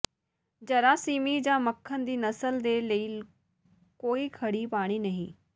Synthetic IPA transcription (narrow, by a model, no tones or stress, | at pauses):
d͡ʑɐɾaːsiːmid͡ʑãmɐkʰːənɪ̆d̪iːnɐsəld̪elɐiː | koːikʰɐɽipaːɽ̃inɐɦĩ